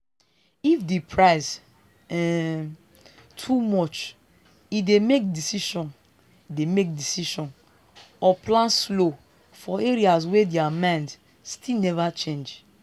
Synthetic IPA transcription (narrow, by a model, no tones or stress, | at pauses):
ifdepʰɹaɪz | ɛ | tʰumɔt͡ʃ | idemek̚disiʃɔ̃n | idemek̚disiʃɔ̃n | ɔplãnslo | fɔeɹias̬wɛdeamãnd | stʰilnɛvat͡ʃẽnd͡ʒ